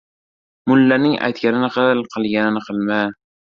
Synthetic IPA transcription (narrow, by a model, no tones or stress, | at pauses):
mʊlːanɪŋa̰jt̪kʲanɪnɪqʰɨlˠqʰɨlˠɡʲanɪnɪqʰɨlˠma